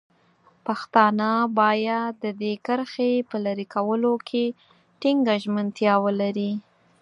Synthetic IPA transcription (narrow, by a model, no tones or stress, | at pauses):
paxt̪ɑnəbɑjad̪ːəd̪ekəɾxepəlaɾikʰawəlokʰe | ʈiŋɡaʒmənt̪jɑwəlaɾi